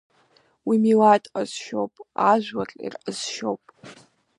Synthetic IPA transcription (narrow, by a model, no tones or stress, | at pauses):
wimilatʼqʼəz̥ʃowpʼaʒʷwat͡ɬʼḭrʔəz̥ʃo̞̰wpʼ